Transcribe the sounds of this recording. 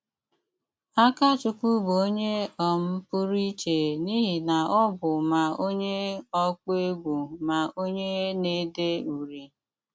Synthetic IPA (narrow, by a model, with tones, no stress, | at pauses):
a˦ka˦t͡ʃʊ˨ku˦bo˦ɲe˦ɔ˨m̩˦pʊ˦ɾi˦t͡ʃe˨ni˦ɦi˨na˨ɔ˦bʊ˨ma˨o˦ɲe˦ɔ˦k͡pe˦ɡu˨ma˨o˦ɲe˦ne˦de˦u˨ɾi˨